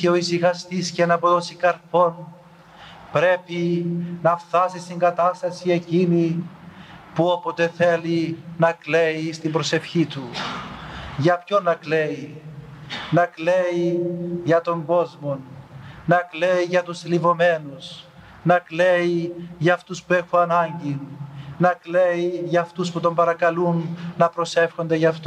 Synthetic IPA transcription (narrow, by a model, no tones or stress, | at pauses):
eo̞isixɐst̪iscenɐpo̞t̪osikɐɾpo̞n | pɾe̞pinɐft̪ɐsist̪iŋɡɐt̪ɐst̪ɐsie̞cini | puo̞pot̪e̞θe̞linɐkleist̪imbɾose̞fçit̪u | ʝɐpçonːɐkle̞i | nɐkleiʝɐt̪o̞ŋɡo̞zmo̞nnɐkleiʝɐt̪uslivo̞me̞nuz | nɐkle̞iʝɐːft̪uspue̞xuɐnɐɲɟinnɐkleiʝɐːft̪usput̪o̞mbɐɾɐkɐlunːɐpɾo̞se̞fxo̞nd̪eʝɐft̪o